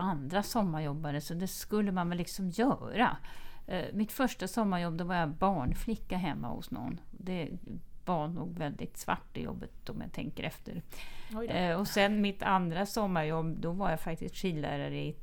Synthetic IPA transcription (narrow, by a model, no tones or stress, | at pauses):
and̪ɾasɔmːajɔbːaɾəsɔd̪ɛskɵlːəmanvɛlːɪksɔmjœːɾa̰ | mɪt̪fœʂʈasɔmːaɾjɔbːd̪ɔvaɾjabɑːɳflɪkːaɦɛmːa̰hʊ̰snɔ̰nːɔd̪ɛvanuːɡvɛld̪ɪ̰t̪sva̰ʈːɪ̰jɔ̰bːət̪ɔmja̰t̪ʰɛ̰ŋkəɾʔɛft̪əɾ | ɔsɛnmɪt̪ʰand̪ɾasɔmːaɾjɔbːd̪ɔvaɾjafak̚t̪ɪsk̪ʂiːlːæ̰ːɾaɾəɪ